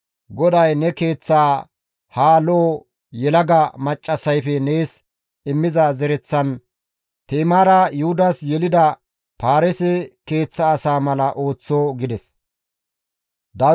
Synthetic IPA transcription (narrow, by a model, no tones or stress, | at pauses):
ɡɔd̪ɐjnɛke̞ːt͡sːaː | haːloː | jɛlɐɡɐmɐt͡ʃʼːɐsɐjfɛne̞ːs | ɪmːɪzɐzɛɾɛt͡sːɐn | t̪eːmaːɾɐjʊhʊd̪ɐsjɛlɪd̪ɐ | paːɾɛsɛke̞ːt͡sːɐːsaːmɐlɐʔo̞ːt͡sːoːɡɪd̪ɛs | d̪ɐ